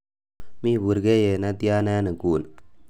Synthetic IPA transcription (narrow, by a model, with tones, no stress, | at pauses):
mi˦bu˨ɾɡe˦je˨na˦d̪i˦ja˦na˦nə˨ɡuː˨n